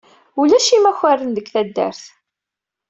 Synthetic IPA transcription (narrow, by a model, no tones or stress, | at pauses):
ulæʃimæçarːənðəɡθæd̪ːæ̰ɾθ